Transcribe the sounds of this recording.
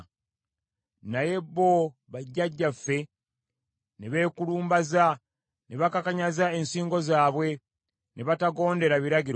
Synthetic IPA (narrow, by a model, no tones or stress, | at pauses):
naje̞bːo̞ | βaɟːaɟːafːe̞ | neβe̞ːkuluːmbaza | neβakakaɲazae̞nsiːŋɡo̞zaːβwe̞ | neβataɡo̞ːnde̞ɾaβiɾaɡiɾ